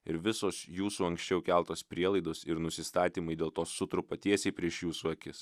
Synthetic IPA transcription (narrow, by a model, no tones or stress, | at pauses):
ɪɾʋʲɪsoːsjuːsuːɐŋksʲt͡ʃʲɛʊkʲælˠt̪oːspʲɾʲiɛlˠɐɪd̪oːsɪɾnʊsʲɪst̪ɑːt̪ʲiːmɐɪd̪ʲeːlˠt̪oːsːʊt̪ɾʊpɐt̪ʲiɛsʲɛɪpʲɾʲiɛʃjuːsuːɐkʲɪs